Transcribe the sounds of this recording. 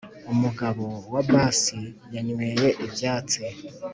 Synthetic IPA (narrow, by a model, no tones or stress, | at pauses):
umuɡaβowabaːsijaɲweːjeʔebjaːt͡se